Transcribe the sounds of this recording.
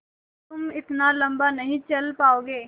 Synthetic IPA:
t̪ʊmɪt̪nalɐ̃mbanɐɦĩt͡ʃɐlpaːoːɡeː

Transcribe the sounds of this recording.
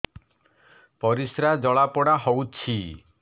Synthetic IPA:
pɔɾisɾad͡ʒɔɭapɔɽaɦowt͡ʃʰi

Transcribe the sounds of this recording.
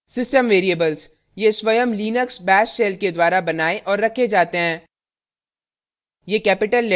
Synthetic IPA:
sɪsʈəmʋeːɾiebəlz | jeswɐjəmliːnəksbɛːsʃeːlked̪waːɾabɐnaːeʔɔːɾːɐkʰːed͡ʒaːt̪eɦɛ̃ː | jeːkɛːpɪʈəlː

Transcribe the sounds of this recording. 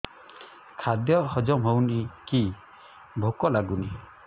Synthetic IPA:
kʰad̪jɔhɔd͡ʒɔmɦɔwniki | bʱokɔlaɡuni

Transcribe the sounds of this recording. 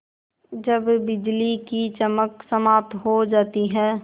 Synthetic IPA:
d͡ʒɐbːɪd͡ʒlikit͡ʃɐməksəmaːp̚t̪ɦod͡ʒaːt̪iɦɛ̃ː

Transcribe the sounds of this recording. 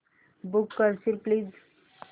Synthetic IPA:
bukːəɾsiɾpliz

